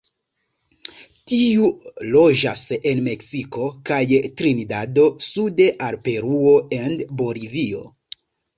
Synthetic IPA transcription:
tiulo̞d͡ʒa̰se̞nme̞ksiko̞kajtɾinidado̞sude̞ʔaɾpe̞ɾuo̞e̞nbo̞livio̞̰

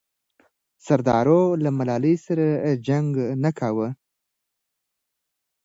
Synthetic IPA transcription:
saɾd̪ɑɾolamalɑləjsaɾad͡ʒaŋɡnakʰawə

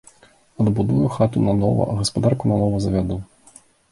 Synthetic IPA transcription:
ɐd̪bud̪ujuxat̪unɐnɔvɐ̰ɣɐspad̪arkunɐnɔvɐzɐvʲad̪u

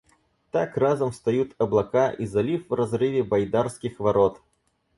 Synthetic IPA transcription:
t̪akrazɐmst̪ajut̪ɐblˠakaʔizalʲifvrɐzɾɪvʲɛbajd̪arskʲixvaɾɔt̪

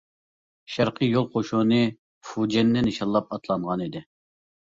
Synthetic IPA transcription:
ʃæɾqʰəjolˠqʰoʃonɨ | fud͡ʒɛnːɪnɪʃɑlˠːɑp̚ɑt̪ʰlˠɑɴʁɑnid̪ɪ

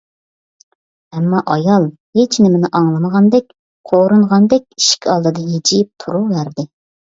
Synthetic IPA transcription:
ɛmːɑʔɑjɑlˠ | het͡ʃnɪmɪnɪʔɑŋlˠɨməʁɑnd̪ɛkʲ | qʰoɾuɴʁɑnd̪ɛkʲi̥ʃi̥kʲʰɑlˠd̪ɨd̪ɑɦed͡ʒip̚t̪ʰuɾuvæɾd̪ɪ

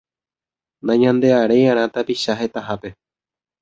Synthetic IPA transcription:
nãɲãnd̪e̞aɾejãɾ̃ãt̪apiʃaɦe̞t̪aɦape̞

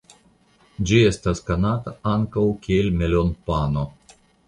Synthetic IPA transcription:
d͡ʒie̞st̪askanat̪aaŋkawkʲielmelonpano

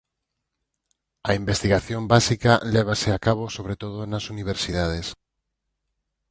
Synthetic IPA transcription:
aimbest̪iɣaθjombasikaleβ̞aseakaβ̞osoβɾet̪oðonasuniβ̞eɾsiðað̞es

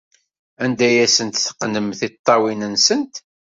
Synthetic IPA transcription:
ænd̪æjæsənt̪θə̥qnəmθit̪ˤːɑwinənsənt̪

